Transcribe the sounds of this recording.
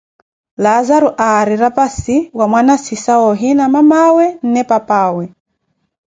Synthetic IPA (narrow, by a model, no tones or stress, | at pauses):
lazaɾuʔaɾiɾapasiwamwanasisaɔɦinamamawɛn̩nɛpapaːwɛ